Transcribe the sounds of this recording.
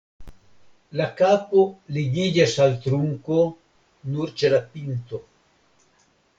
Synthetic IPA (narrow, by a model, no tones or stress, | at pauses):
lakapoliɡiʎasalt̪ɾuŋko | nuɾt͡ʃelapint̪o